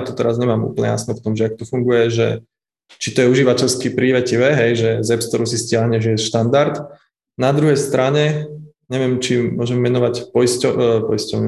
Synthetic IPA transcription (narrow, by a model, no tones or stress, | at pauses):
t̪ɔ̥t̪ɛɾazɲɛmaːmṵːpl̩ɲɛ̰ja̰snɛft̪ɔmʒɛak̚t̪ufuŋɡujɛʒɛ̰ | t͡ʃit̪ɔjɛuʒiːʋacɛʎskipɾiʋɛciʋɛɦɛjʒɛzɛpst̪ɔɾusiscɪaɦɲɛʒɛsʃt̪and̪aɾt̪ | nad̪ɾuɦɛjst̪ɾaɲɛ | ɲɛʋɪɛmt͡ʃimʊɔʒɛmːɛnɔʋacpɔjscɔpɔjscɔʊɲu